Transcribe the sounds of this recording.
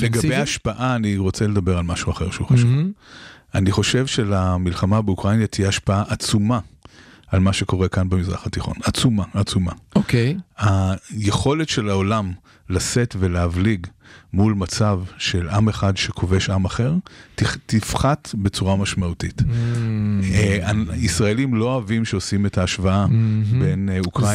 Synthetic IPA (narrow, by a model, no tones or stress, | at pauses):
leɡabejaaʃpaʔaːniʁo̞t͡sele̞d̪ɐbe̞ʁalmaʃuaχe̞ʁʃeuχaʃuvv | aniχo̞ʃe̞vʃelamilχamabeukʁanjat̪ijeaʃpaaʔat͡sumaalmaʃe̞ko̞ʁe̞kanbemizʁa̰χatiχo̞̰nat͡sumaːt͡sumaokejhaje̞χo̞letʃe̞laolam | lase̞tve̞leavliɡmulmat͡savʃe̞lʔameχadʃekʰo̞ve̞ʃamaχe̞ʁtifχatbe̞t͡suʁamaʃmautit | aisʁaelimlo̞avimʃeosime̞taːʃvaabe̞nukʁ